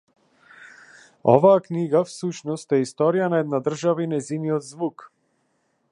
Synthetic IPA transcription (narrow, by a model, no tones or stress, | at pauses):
ɔ̰vaːkniɡafsuʃnɔst̪ɛist̪ɔɾijanaɛd̪nad̪r̩ʒavainɛjziniɔd̪zvuk